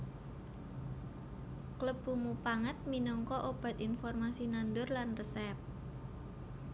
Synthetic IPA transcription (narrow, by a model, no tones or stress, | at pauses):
kləb̥ṳmupaŋət̪̚minɔŋkɔʔob̥a̤t̪infɔrmasinand̪ʊrlanrəsɛp̚